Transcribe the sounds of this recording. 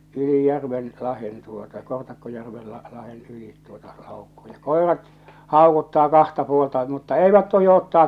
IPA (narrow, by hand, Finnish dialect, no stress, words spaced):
yli jærʋen lɑhen tuotɑ kortɑkːojærʋel lɑ lɑhen yliˑt tuotɑ lɑˑokːo j̊ɑ̥ koˑerɑt hɑˑokutːɑː kɑhtɑ puoltɑ mutːɑ eiʋæt tohi otːɑːk